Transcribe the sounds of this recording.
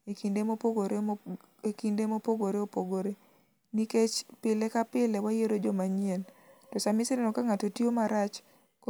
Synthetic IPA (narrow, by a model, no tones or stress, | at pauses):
ekindemopoɡoɾe | ekindemopoɡoɾeopoɡoɾe | niket͡ʃpɪlekapɪlewajeɾod͡ʒɔmaɲientɔsamɪsɪɾenɔkaŋatotiomaɾat͡ʃ | k